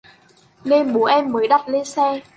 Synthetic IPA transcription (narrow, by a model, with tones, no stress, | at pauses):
ne˧mɓu˨˦ʔɛ˧mːəː˨˦jɗa˨˩t̚le˧nsɛ˧